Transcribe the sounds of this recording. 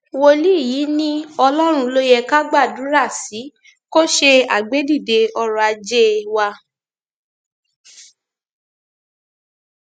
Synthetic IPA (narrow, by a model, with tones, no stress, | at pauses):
wo˧li˦i˦˨jiː˨˦nĩ˦ɔ˧lɔ˦ɾ̃ũ˧lo˦jɛ˧ka˦ɡ͡ba˦˨dũ˨˦ɾa˦˨si˨˦ | ko˦ʃe˧a̰˦˨ɡ͡be˨˦di˦˨de˧ɔ˧ɾɔ˨a˧d͡ʒe˦wa˧